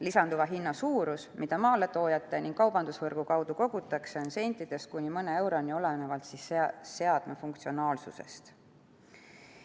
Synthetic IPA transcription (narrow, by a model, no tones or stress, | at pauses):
lisɑnd̪uvɑɦinːɑsuːɾusmid̪̥ɑmɑːle̞t̪o̞ːjɑt̪ːˑe̞niŋɡ̥kːɑwbɑnd̪̥usvɤrɡ̥ukɑwd̪̥uko̞ɡ̥ut̪ːˑɑkse̞onse̞nt̪ːid̪̥e̞st̪̚kunʲimɤne̞e̞wɾo̞nʲio̞lenevɑlt̪sisse̞ɑd̪̥mefuŋk̚t̪sio̞nɑːlsṵse̞̰st̪